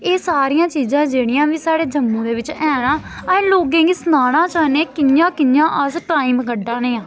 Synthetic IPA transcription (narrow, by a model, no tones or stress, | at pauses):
eːsaːɾijãːt͡ʃiːzãːd͡ʒeːɽ̃ɪjãːʋiːsaːɽeːd͡ʒəmːũːd̪eːʋɪt͡ʃɛ̃ːnaːəẽːloːɡɪ̃ŋɡsnaːɽ̃ãːt͡ʃaːnẽːkɪjãːkɪjãːʔəsʈaːiːmɡəɖãːneːãː